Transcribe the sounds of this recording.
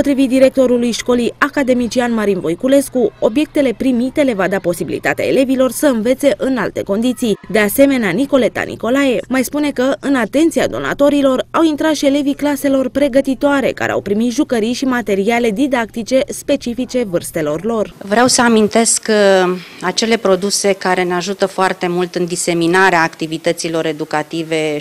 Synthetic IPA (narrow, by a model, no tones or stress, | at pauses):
pot̪ɾivit̪d̪iɾe̞k̚t̪o̞ɾulujʃko̞lijakad̪e̞mit͡ʃianmaɾinvo̞jkule̞skuo̞bje̞k̚t̪e̞le̞pɾimit̪e̞le̞vad̪apo̞sibilḭt̪at̪ea̰e̞̰le̞vilo̞rsəɨnve̞t̪se̞ʔɨnalt̪e̞̰ko̞nd̪it̪sijd̪e̞ase̞me̞neaniko̞le̞t̪a̰nʔḭko̞laje̞majspune̞kəʔɨnat̪e̞nt̪sia̰d̪o̞̰na̰t̪o̞ɾilo̞rawint̪ɾat̪ʃie̞le̞viklase̞lo̞rpɾe̞ɡət̪it̪oaɾe̞̰ka̰ɾʔea̰wpɾimit̪ʒukəɾijʃimat̪e̞ɾiale̞d̪id̪ak̚t̪it͡ʃe̞spe̞t͡ʃifit͡ʃe̞vɨrst̪e̞lo̞rlo̞rvɾeawsəamint̪e̞sk | at͡ʃe̞le̞pɾo̞d̪use̞kaɾe̞neaʒut̪əfoart̪e̞mult̪ɨnd̪ise̞minaɾeaːkt̪ivit̪ət̪silo̞ɾe̞d̪ukat̪ive̞